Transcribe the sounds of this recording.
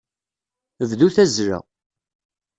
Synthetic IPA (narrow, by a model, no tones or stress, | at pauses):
vðuθæzɾæ̰